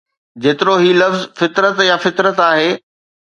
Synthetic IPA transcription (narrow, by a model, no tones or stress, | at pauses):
d͡ʑeːt̪ɪɾoɦiːlɐfzfɪt̪ɾət̪jafɪt̪ɾət̪aːɦeː